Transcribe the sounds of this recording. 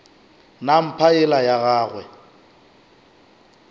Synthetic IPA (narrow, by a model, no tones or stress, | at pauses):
nam̩pʰaɪlajaɣaːɣwɛ